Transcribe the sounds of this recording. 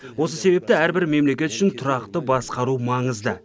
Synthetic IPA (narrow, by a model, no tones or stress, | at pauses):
wo̞səse̞be̞p̚t̪ɪæɾbɪɾme̞mle̞kʲe̞t̪ʏ̥ʃɪnt̪ʰʊɾɑqt̪əbɑsqɑɾumɑɴəzd̪ə